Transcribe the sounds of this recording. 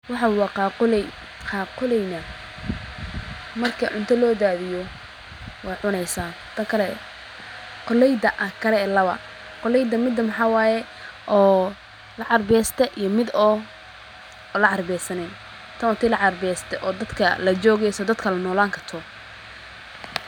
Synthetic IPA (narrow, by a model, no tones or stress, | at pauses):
wɑħɑwɑqɑːqʊlɛ | qɑːqʊlɛjnɐ | mɐrkʰɐʕʊnt̪ʰɐlɔːd̪aːðɪjɔ | wɑːjʕʊnɛjsaː | t̪ʰɐkʰɐlɛ | qɔlɛjd̪ɐʔɐkʰɐlɛlɐβɐ̰ | qɔlɛjd̪ɐmɪd̪ːɐmɐħɑːwaːjɛ | ʔɔː | lɐʕɑrbɛːst̪ʰɛʔijɔmɪd̪ɔː | lɐʕɑrbɛːsɐnɛ | t̪ʰɐwt̪ʰiːlɑʕɑrbɛːst̪ʰɛʔɔːd̪ɐd̪kʰɐlɐt͡ʃɔːɣɛjsɔd̪ɐd̪kʰɐlɐnɔːlaːŋkʰɐrt̪ʰɔː